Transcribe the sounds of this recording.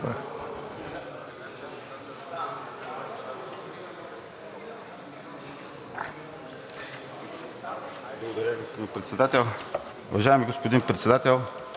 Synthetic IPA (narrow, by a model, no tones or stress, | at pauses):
a | blˠɡod̪ɐɾaɡospod̪inpɾɛt̪sɛd̪at̪ɛlˠ | ṵvaʒaɛmiɡospod̪inpɾɛt̪sɛd̪at̪ɛlˠ